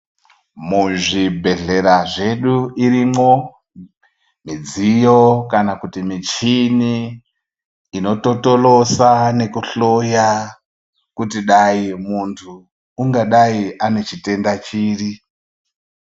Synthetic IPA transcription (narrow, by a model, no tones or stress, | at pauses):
muʐibʱe̞ɮe̞ɾaʐe̞ɗuiɾimo | mid͡zijo̞kanakutimit͡ʃini | no̞to̞to̞lo̞sane̞kuɬo̞ja | kutiɗaimuntʰuː | ŋɡaɗaiʔane̞t͡ʃite̞ndat͡ʃiːri